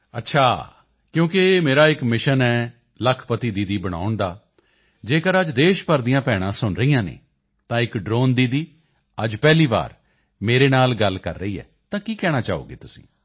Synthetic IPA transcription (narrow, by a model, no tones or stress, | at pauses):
ə̰tːʃʰaː | kjõːkɪmeːɾaːɪkmɪʃənɛː | ləkʰpət̪iːd̪iːd̪iːbəɽ̃a̰ːʊɳd̪aː | d͡ʒeːkəɾəd͡ʒd̪eːʃpəɾd̪ijãːpɛːɽ̃ãːsʊnɾəijãːnḛː | t̪ãːɪkɖɾoːnd̪iːd̪iː | əd͡ʒpɛːliːba̰ːɾ | meːɾeːnaːlɡəlkə̰ɾːəiːɛ̰ː | t̪ãːkiːkɛːɽ̃aːt͡ʃa̰ːo̰ːɡḛːt̪ʊsĩ̥̰ː